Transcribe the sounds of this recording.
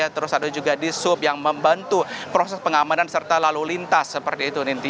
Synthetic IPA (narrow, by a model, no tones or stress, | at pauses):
at̪əɾʊsadad͡ʒuɡadisʊp̚jaŋməmbant̪upɾosɛspəŋamanansərt̪alalulint̪asːəpərt̪iːt̪unint̪i